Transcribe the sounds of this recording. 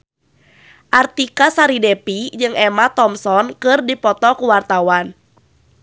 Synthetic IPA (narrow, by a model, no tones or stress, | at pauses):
ʔart̪ikasaɾidɛpid͡ʒɨŋɛmat̪ɔmsɔnkɨrdipɔt̪ɔkuwart̪awan